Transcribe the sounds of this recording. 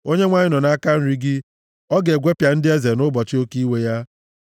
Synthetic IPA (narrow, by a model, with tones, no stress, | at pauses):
o˦ɲe˦ŋʷa˦ɲɪ˦nɔ˨na˦ka˦n̩˦ɾi˦ɡɪ˦ | ɔ˦ɡe˨ɡʷe˦pja˨n̩˦dɪ˦e˦ze˨nʊ˦bɔ˨t͡ʃɪ˦o˦ki˦we˦ja˦